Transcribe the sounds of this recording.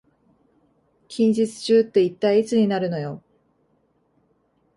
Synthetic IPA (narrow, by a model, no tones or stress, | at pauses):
kʲʰĩɲ̟d͡ʑit͡sɨ̥t͡ɕɨːt̪ːe̞it̪ːaiit͡sɨɲ̟inaɾɯ̟no̞jo̞